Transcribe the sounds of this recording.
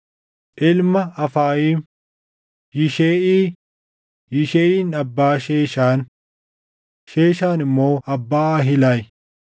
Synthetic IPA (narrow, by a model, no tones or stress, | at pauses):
ʔɪlmɐɐfaːjiːm | jɪʃeːʔiː | jɪʃeːʔiːnɐbːaːʃeːʃaːn | ʃeːʃaːnɪmːo̞ːɐbːaːɦɪlaːj